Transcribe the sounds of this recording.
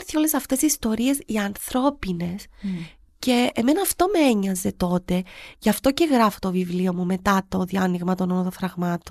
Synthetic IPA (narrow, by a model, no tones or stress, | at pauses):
ɾθiole̞sɐft̪e̞sist̪o̞ɾie̞siɐnθɾo̞pine̞s | ce̞ːme̞nɐːft̪o̞meeɲɐze̞t̪o̞t̪e̞ʝɐft̪o̞ce̞ɣɾɐfo̥t̪o̞vivlio̞mume̞t̪ɐt̪o̞ðiɐniɣmɐt̪o̞nonot̪ofɾɐɣmɐt̪on